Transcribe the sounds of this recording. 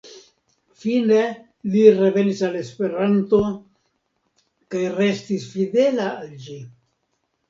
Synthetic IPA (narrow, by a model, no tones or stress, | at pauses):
fine̞ | lire̞ve̞nisale̞spe̞ɾant̪o̞ | kajre̞st̪isfid̪e̞laːld͡ʒi